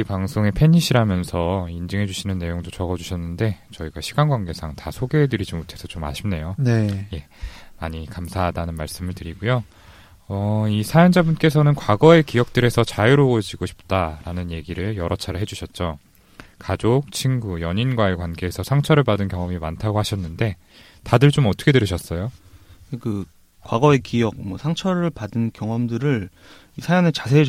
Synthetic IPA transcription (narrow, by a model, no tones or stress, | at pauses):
ipaŋsʰoŋe̞pʰe̞ɲːiɕʰiɾamjʌnsʰʌind͡ʑɯŋɦe̞d͡ʑuɕʰinɯnːe̞joŋdot͡ɕʌɡʌd͡ʑuɕʰʌnːɯnde̞t͡ɕʌiɡaɕʰiɡanɡwanɡe̞sʰaŋtasʰoɡe̞ɦedɯɾid͡ʑimotʰe̞sʰʌt͡ɕomːa̰ɕʰimne̞joneje̞ | maɲikamsʰaɦadanɯnmaɭs͈ɯmɯɭtɯɾiɡujo | ʌisʰajʌnd͡ʑabunk͈e̞sʰʌnɯnkwaɡʌe̞kijʌk̚t͈ɯɾe̞sʰʌt͡ɕajuɾoojʌd͡ʑiɡoɕʰi̥p̚t͈aɾanɯnje̞ɡiɾɯɭjʌɾʔʌt͡ɕʰaɾɯɭɦe̞d͡ʑuɕʰʌt̚t͡ɕ͈o | kad͡ʑok̚t͡ɕʰinɡujʌɲinɡwae̞kwanɡe̞ːsʰʌsʰaŋt͡ɕʰʌɾɯɭpadɯnkjʌŋʌmimantʰaɡohaɕʰʌnːɯnde̞ | tadɯɭt͡ɕomʌtʰʌkʰe̞dɯɾɯɕʰʌs͈ʌjoekɯ | kwaɡʌe̞kijʌk̚mwʌsʰaŋt͡ɕʰʌɾɯɭpadɯnkjʌŋʌmdɯɾɯɭ | isʰajʌnet͡ɕasʰe